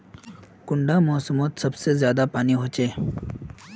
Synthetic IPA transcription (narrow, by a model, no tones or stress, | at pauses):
kʊɳɖamɔːsəmoːt̪sɐbsezjaːd̪apaːniɦoːt͡ʃeː